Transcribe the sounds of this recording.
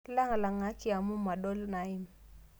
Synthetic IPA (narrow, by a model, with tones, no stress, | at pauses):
ki˦la˦ŋa˨la˨ŋa˦t͡ʃi˦a˨mu˦ma˨ɗo˦lna˨ɪ˦m